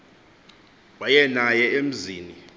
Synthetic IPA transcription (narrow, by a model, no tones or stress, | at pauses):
wajɛnajɛem̩ziːni